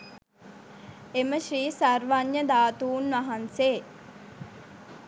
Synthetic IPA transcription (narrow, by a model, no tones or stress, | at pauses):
eməʃriːsarʋaɲjəd̪aːt̪uːnʋaɦanseː